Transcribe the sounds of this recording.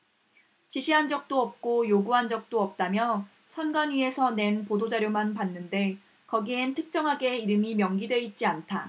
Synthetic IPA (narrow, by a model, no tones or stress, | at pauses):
t͡ɕiɕʰiɦand͡ʑʌk̚t͈oʌp̚k͈ojoɡuɦand͡ʑʌk̚t͈oʌp̚t͈amjʌ | sʰʌnɡanɥie̞sʰʌne̞npodod͡ʑaɾjomanpanːɯnde̞ | kʌɡientʰɯk̚t͡ɕ͈ʌŋɦaɡe̞iɾɯmimjʌŋɡidwe̞it̚t͡ɕ͈iantʰa